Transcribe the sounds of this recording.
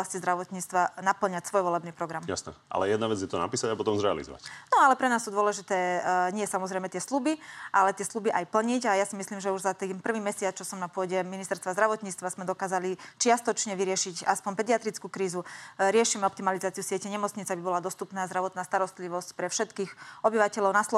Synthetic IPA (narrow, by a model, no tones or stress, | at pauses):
ascizd̪ɾaʋɔt̪ɲiːt͡st̪ʋanapl̩ɲacsʋɔjʋɔlɛbniːpɾɔɡɾamja̰snɛ̰ʔa̰lɛjɛd̪naʋɛd͡zjɛt̪ɔna̰piːsaɟapɔt̪ɔmzɾɛa̰lḭzɔ̰ʋa̰cnɔalɛpɾɛnaːst̪ud̪ʊɔlɛʒit̪ɛːɲɪɛsamɔzɾɛɪjmɛt̪ɪɛslubiʔalɛt̪ɪɛslubiʔajpl̩ɲiɟajasimisliːmʒɛuʒzat̪inpr̩ʋiːmɛsɪat͡st͡ʃɔsɔmnapʊɔɟɛminist̪ɛɾst̪ʋazd̪ɾaʋɔt̪ɲiːt͡st̪ʋazmɛd̪ɔkaːzalit͡ʃɪast̪ɔt͡ʃɲɛʋiɾɪɛʃicaspɔnpɛd̪iat̪ɾit͡skuːkɾiːzuɾɪɛʃimɛɔpt̪imalizaːt͡siusɪɛcɛɲɛmɔt͡sɲit͡sabibɔlad̪ɔst̪upnaːzd̪ɾaʋɔt̪naːst̪aɾɔst̪liʋɔscpɾɛfʃɛt̪kiːxɔbiʋacɛʎɔʊnaslɔ